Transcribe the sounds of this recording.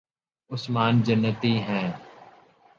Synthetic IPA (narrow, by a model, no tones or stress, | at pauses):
ʊsmaːnd͡ʒənːət̪iɦɛ̃ː